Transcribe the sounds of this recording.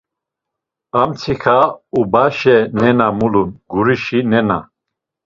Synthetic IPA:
amt͡sʰixʰaubaʃɛnɛnamulunɡuɾiʃinɛna̰

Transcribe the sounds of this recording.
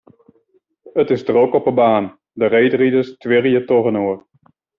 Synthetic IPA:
ətɪzdrokɔpəbaːn | dərejdridəstʋɪrjətɔχənoːr

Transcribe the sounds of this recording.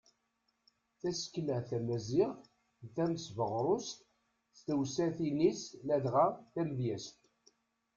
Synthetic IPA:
θæsə̥kːləθæmæziʁθ | θæməsvəʁɾˤʊst̪ | st̪əwsæθinislæðʁaθæmðjæst̪

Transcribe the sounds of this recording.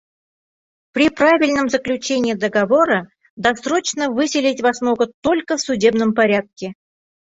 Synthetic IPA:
pɾʲɪpravʲɪlʲnəmzəklʲʉt͡ɕenʲɪːd̪əɡɐvo̞ɾə | d̪ɐsro̞t͡ɕnəvɨsʲɪlʲɪtʲvɐsno̞ɡət̪o̞lʲkəfsʊdʲe̞bnəmpɐɾʲat̪̚kʲɪ

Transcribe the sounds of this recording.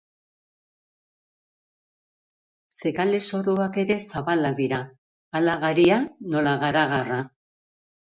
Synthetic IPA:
se̞kale̞so̞ɾoake̞ɾe̞saβalaðiɾaː | laɣaɾiano̞laɣaɾaɣara

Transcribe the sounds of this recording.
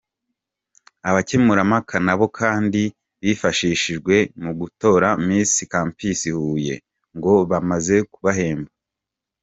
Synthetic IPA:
aβacemuɾamakʰanaβo̞kʰaːndi | βifaʃiːʃiʒɡwe̞muɡuto̞ɾamiːsikaːmpisihuːje̞̰ | ŋɡo̞βamaze̞kuβaɦe̞ːmba

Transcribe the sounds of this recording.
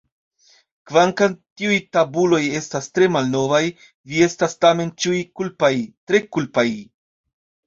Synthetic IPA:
kvaŋkantiujtabulo̞je̞stastɾe̞malno̞vaj | vie̞stastame̞nt͡ʃiujkulpajtɾe̞kulpaj

